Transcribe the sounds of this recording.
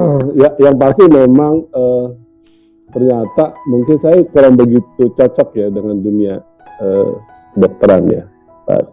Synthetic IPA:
əjajaŋpast̪ɪmemaŋəː | t̪ərɲat̪amuŋkɪnsajakuɾaŋbəɡit̪̚ut͡ʃɔt͡ʃɔk̚jadəŋandunia | ə̰ː | dɔk̚t̪əɾanja̰ | ta̰

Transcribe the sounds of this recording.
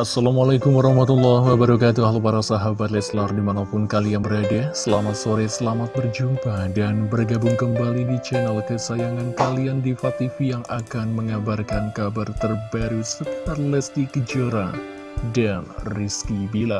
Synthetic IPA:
ʔasːalamalakʊmwaɾɑhmat̪ulːahwabaɾakat̪uaɦlpaɾasaɦabat̪lɛslardimanapʊnkaliaŋbəɾadɛsəlamat̪soɾɛsəlamat̪̚bərd͡ʒumpadanbərɡabʊŋkəmbalidit͡ʃanɛlkəsajaŋɡankaliandifat̪ifijaŋʔakanməŋabarkankabart̪ərbaɾusətət̪arlɛsd̪ikəd͡ʒoɾa̰ | danriskibila

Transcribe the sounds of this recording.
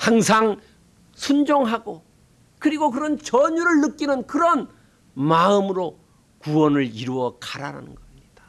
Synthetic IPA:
haŋsʰaŋ | sʰund͡ʑoŋɦaɡo | kɯɾiɡok̬ɯɾʌnt͡ɕʌɲuɾɯɭːɯk͈inɯnkɯɾʌn | maɯmɯɾo | kuwʌnɯɭiɾuʌkaɾa̰ɾa̰nɯnɡʌɕʰimɲid̥ḁ

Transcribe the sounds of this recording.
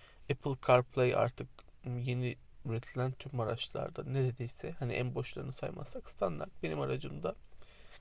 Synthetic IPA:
ɛpʰlʲˠkʰaɾpʰlʲˠejʔa̰ɾt̪ʰɯk | je̞ni | yɾet̪ʰilʲænt̪ʰymːaɾa̰t͡ʃlˠa̰ɾd̪a̰neɾe̞d̪ejsɛhanḭʔænbo̞ʃlˠa̰ɾɯnɯsajma̰ssakst̪ʰand̪a̰ɾt̪̚be̞nimaɾad͡ʒɯmd̪a

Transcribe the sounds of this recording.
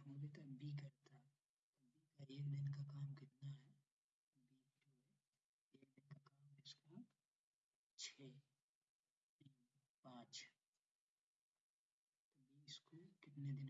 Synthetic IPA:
õd̪et̪bʱik̬ɐɾt̪a | t̪ɐbʱikaeːkd̪ɪnkakaːmkɪt̪naɦɛ | t̪obʱiːd͡ʒoːɦɛ | eːknd̪ɪnkakaːmkɛɪsko | t͡ʃʰeː | t̪iːn | pãːt͡ʃ | t̪obiɪskokɪt̪ned̪ɪn

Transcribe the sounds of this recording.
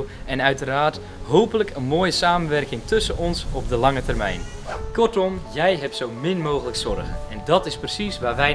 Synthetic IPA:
ɛnœɥtəraːrt | ɦowpələkʰənmoːjəsaːmənʋɛrkɪŋtʰɵsənɔnsɔp̚dəlɑŋətərmɛ̰jn | kɔrtɔmjɛjɦɛptsowmɪnmoːɣələksɔrɣə̰nɛndɔtɪsprəsisʋaːʋɛj

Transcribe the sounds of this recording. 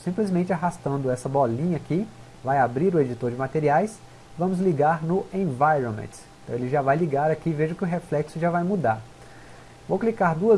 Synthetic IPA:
sĩmplizmẽnt͡ʃɪaɦast̪ɐ̃nd̪ʊɛsɐbɔlĩɲɐkɪ | vajabɾiɾʊed͡ʒit̪oɾd͡ʒɪmat̪eɾiajs | vɐ̃mʊzliɡaɾnʊẽvajɾõmḛ̃t̪ẽt̪ɐ̃w̃elɪʒavajliɡaɾakiveʒʊkɪʊɦeflɛksʊʒavajmud̪aɾ | vowklikaɾd̪uɐ

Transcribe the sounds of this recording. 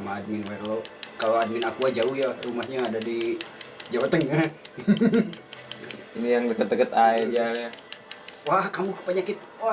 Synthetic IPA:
maːd̚mɪnwarlokaload̚mɪnakuad͡ʒauhjarumahɲaːdadi | d͡ʒawat̪əŋah | inijaŋdəkət̪̚dəkət̪aɛd͡ʒalja | wahkamuhpaɲakɪt̪̚ | wa

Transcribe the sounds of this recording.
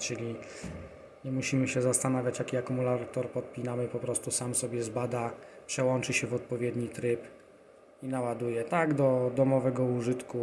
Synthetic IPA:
t͡ʂɘlʲi | ɲɛmuɕimɘɕɛzast̪anavʲjat͡ɕjakʲiakumulat̪ɔɾpɔt̪̚pʲinamɘpɔpɾɔst̪usamsɔbʲjɛzbad̪apʂɛwɔnt͡ʂɘɕɛvɔt̪̚pɔvʲjɛd̪ɲit̪ɾɘp | inawad̪ujɛt̪aɡd̪ɔd̪ɔmɔvɛɡɔuʐɘt̪ku

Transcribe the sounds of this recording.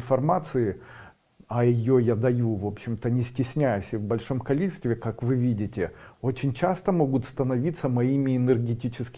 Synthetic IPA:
nfɐrmat̪sɨɪ | ɐjɪjojad̪ɐjuvo̞pɕːɪmt̪ənʲɪsʲtʲɪsʲnʲæjʊsʲɪvbɐlʲʂo̞mkɐlʲit͡ʃɪ̥st̪vʲɪkakvɨvʲidʲɪtʲɪo̞t͡ɕɪnʲt͡ɕast̪əmo̞ɡʊt̪st̪ənɐvʲit̪səmɐimʲɪɪnɨrɡʲɪtʲit͡ɕɪskʲ

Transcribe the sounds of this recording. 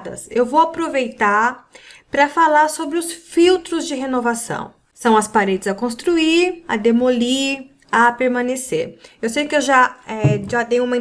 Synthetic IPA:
d̪ɐ̰sewvowapɾovejt̪aɾpɾɐfalaɾsobɾɪʊsfiwt̪ɾʊzd͡ʒɪɦenovasɐ̰̃w̃ | sɐ̃w̃ɐspaɾed͡ʒɪzɐkõst̪ɾuiɾɐ̰d̪emoliɾ | ɐpeɾmɐ̃neseɾewsejʊkɪewʒaɛʒat̪ẽj̃ʊ̃umɐ̃

